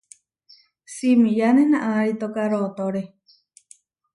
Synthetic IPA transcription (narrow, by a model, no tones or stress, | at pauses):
simĩjanenãʔaɾit̪okaɾot̪oɾe